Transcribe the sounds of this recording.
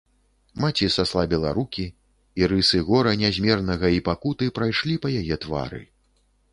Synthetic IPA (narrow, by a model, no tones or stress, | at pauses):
mat͡sʲisaslˠabʲɛlˠa̰ɾukʲi | iɾɨsɨɣɔɾɐnʲazʲmʲɛrnɐɣɐipakut̪ɨpɾajʂlʲipɐjajɛt̪va̰ɾɨ̰